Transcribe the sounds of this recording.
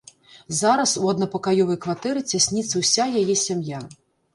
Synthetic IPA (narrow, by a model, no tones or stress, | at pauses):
zaɾɐsuɐd̪̚nɐpɐkajɔvɐjkvat̪ɛɾɨt͡sʲasʲnʲit̪sɐwsʲajajɛsʲamja